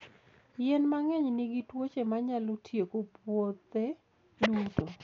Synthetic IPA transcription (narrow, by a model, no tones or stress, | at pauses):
jɛnmaŋɛɲniɡitwot͡ʃemaɲalotʰjekopwot̪e | duto